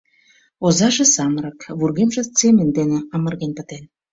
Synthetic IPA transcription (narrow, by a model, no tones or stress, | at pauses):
ozɑʒĕsɑmɾɑkβurɣemʒĕt͡semend̪eneɑmə̆rɣenpə̆t̪en